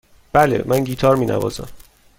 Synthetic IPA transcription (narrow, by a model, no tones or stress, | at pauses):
b̥ælḛmʔænɡiːt̪ʰɒːɾmiːnæ̰vɒ̰ːzæ̰m